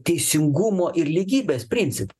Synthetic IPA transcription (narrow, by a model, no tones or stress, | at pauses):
t̪ʲɛɪsʲɪŋɡʊmoːʔɪɾlʲiːɡʲiːbʲeːspʲɾʲɪnʲt̪sʲɪp